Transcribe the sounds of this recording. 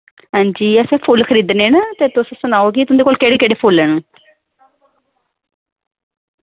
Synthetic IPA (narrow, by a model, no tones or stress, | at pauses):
ɦãːɲd͡ʒiːəsẽːpʰʊlkʰəɾiːd̪nẽːnat̪eːt̪ʊssʊnaːoːɡit̪ʊnd̪eːkoːlkeːɽeːkeːɽeːpʰʊlɛːnũː